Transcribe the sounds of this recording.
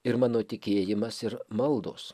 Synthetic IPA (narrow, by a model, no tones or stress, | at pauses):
ɪɾmɑːnoːt̪ʲɪkʲeːjɪmɐsɪɾmɐlˠd̪oːs